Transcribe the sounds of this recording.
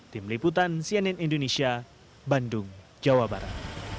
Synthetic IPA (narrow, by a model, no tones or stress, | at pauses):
t̪imliput̪̬ansianɛnindonesia | bandʊŋ | d͡ʒawabaɾa̰t̪̚